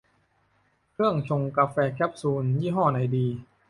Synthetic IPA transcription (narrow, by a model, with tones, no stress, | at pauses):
kʰɾɯ˥˩əŋt͡ɕʰo˧ŋka˧fɛː˧kʰɛ˦˥p̚suː˧njiː˥˩ɦɔː˥˩na˧˩jdiː˧